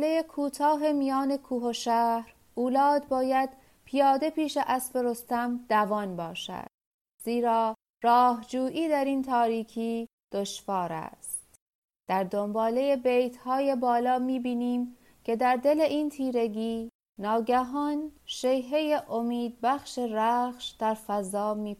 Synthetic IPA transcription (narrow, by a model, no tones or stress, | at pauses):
lejekʰuːt̪ʰɒːɦe̞mijɒːne̞kʰuːɦoʃæhɾ | uːlɒːd̪̚bɒːjæd̪̥ | pʰijɒːd̪e̞piːʃeʔæsfe̞ɾo̞st̪æmd̪̥ævɒːnbɒːʃæ̰d̪̥̚ | z̥iːɾɒː | ɾɒːɦd͡ʒuːʔiːd̪æɾint̪ʰɒːɾiːcʰiː | d̪̥o̞ʃvɒːɾæ̰st̪ | d̪̥æɾd̪o̞mbɒːle̞je̞be̞jt̪hɒːje̞bɒːlɒːmiːbiːniːm | cʰe̞d̪æɾd̪e̞le̞ʔiːnt̪ʰiːɾe̞ɡiː | nɒːɡæɦɒːnʃe̞jɦe̞jeʔomiːd̪̚bæχʃeɾæːχʃd̪̥æɾfæzɒːmiː